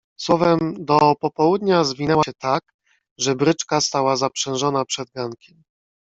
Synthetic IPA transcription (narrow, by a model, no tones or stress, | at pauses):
swɔvɛmd̪ɔpɔpɔwud̪ɲazvʲinɛwaɛt̪ak | ʐɛbɾɘt͡ʂkast̪awazapʂɛ̃w̃ʐɔnapʂɛd̪̚ɡaŋkʲɛm